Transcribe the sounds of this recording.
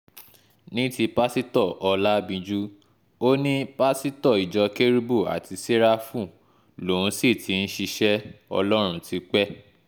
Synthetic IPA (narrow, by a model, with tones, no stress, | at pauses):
nĩ˦ti˧pa˦si˦tɔ˦˨ʔɔ˧la˦bĩ˧d͡ʒu˦ | o˦nĩ˦pa˦si˦tɔ˦˨i˨d͡ʒɔ˨ke˦ɾi˦bo˦˨a̰˨tʰi˧se˦ɾa˦fũ˦˨ | lo˨ũ˨˦si˦˨tʰi˨˦n̩˦ʃi˧ʃɛ˦ɔ̰˧lɔ˦ɾ̃ũ˧tʰi˧˦k͡pɛ˦